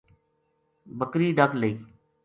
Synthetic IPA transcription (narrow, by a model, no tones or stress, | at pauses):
bəkɾiːɖəkləiː